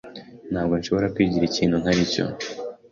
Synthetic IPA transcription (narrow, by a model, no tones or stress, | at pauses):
n̥haːbɡo̞nʃo̞βo̞ɾakwiːɟiɾiciːn̥hunhaɾico̞̰